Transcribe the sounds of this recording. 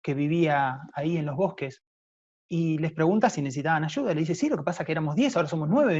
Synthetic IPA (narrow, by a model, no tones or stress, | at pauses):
ke̞βiβiaːie̞nlo̞ɦβ̞o̞hke̞s | ile̞spɾe̞ɣunt̪asineses̬it̪aβanaʒuðaleðisesilo̞kepasakeeɾamozðje̞s̬aoɾaso̞mosnwe̞βe